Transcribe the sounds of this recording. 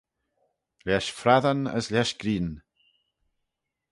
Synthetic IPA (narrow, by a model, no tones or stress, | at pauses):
lɛʃfɾaðanə̰slʲɛʃɡ̥ɾiːn